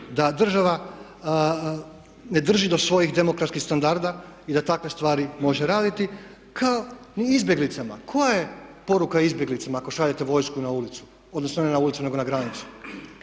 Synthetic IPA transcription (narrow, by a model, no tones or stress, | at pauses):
d̪ad̪r̩ʒaʋa | ne̞d̪r̩ʒid̪o̞sʋo̞jixd̪e̞mo̞kɾat̪skixst̪and̪aɾd̪aid̪at̪akʋe̞st̪ʋaːɾimo̞ʒe̞ɾaːd̪it̪i | kʰaoniizbʲje̞ɡlit̪sama̰kʰo̞jajepo̞ɾukaizbje̞ɡlit̪samaːko̞ʃaʎet̪eʋo̞jskunaulit̪su̥ | od̪no̞snonenaulit̪sune̞ɡo̞naɡɾanit̪su̥